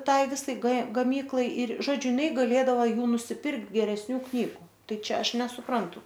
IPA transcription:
ˈtɐɪ ˈʋʲɪsɐɪ k ɡɐˈmʲiːklˠɐɪ ɪr ˈʒoːd͡ʒʲʊ jɪˈnɐɪ ɡɐˈlʲeːdɐʋɐ ˈjuː nʊsʲɪˈpʲɪrkt ɡʲɛrʲɛsʲˈnʲuː ˈknʲiːɡʊ ˈtɐɪ ˈt͡ʃʲɛ ˈɐʃ nʲɛsʊˈprɐntʊ

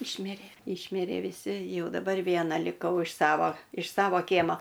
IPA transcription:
ˈɪʃʲmʲɪrʲeː ˈɪʃʲmʲɪrʲeː ʋʲɪˈsʲɪ ˈjɛʊ dɐˈbɐr ˈʋʲiɛnɐ lʲɪˈkɐʊ ɪʃ ˈsɑːʋoː ɪʃ ˈsɑːʋoː ˈkʲiɛmoː

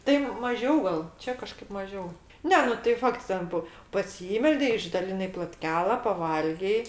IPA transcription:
tɐɪ mɐˈʒʲɛʊ ɡɐlˠ ˈt͡ʃʲɛ kɐˈʃkɐɪp mɐˈʒʲɛʊ ˈnʲɛ nʊ tɐɪ ˈfɐkts ˈtʲɛn poː pɐˈsʲiːmʲɛlʲdʲɛɪ ɪʒdɐlʲɪˈnɐɪ plˠoːtʲˈkʲæːlˠɐ pɐˈʋɐlʲɡʲɛɪ

